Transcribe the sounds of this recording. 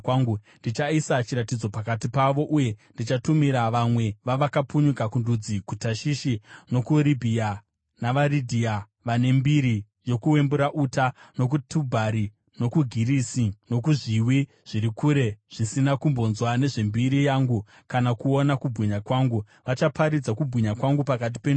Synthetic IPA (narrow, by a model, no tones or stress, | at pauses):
waŋɡundit͡ʃaisat͡ʃiɾatid͡zo̞pakatipaʋo̞ʔuje̞ndit͡ʃatumiɾaʋamwe̞ʋaʋakapuɲukakundud͡zikutaʃiʃino̞kuɾibʱia | naʋaɾidʱia | ʋane̞mbiɾi | jo̞kuwe̞mbuɾaʔuːtano̞k̬utʰubʱaɾi | no̞kuɡʱiɾisino̞k̬uʐiwi | ʐ̥iɾikuɾe̞ʐ̥isinakumbo̞nzwane̞ʐe̞mbiɾijaːŋɡu | kanakuonakubʱɣiɲakwaːŋɡu | ʋat͡ʃapʰaɾid͡zakubʱwiɲakwaŋɡupakat̬i̥pen